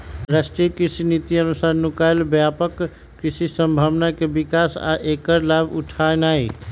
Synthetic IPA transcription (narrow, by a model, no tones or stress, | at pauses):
ɾasʈɾiəkɾisinit̪iənusaɾnukajlbjapəkː | ɾisisəmbʱaʋnakebikasa̰ʔekəɾlabṵʈʰaenai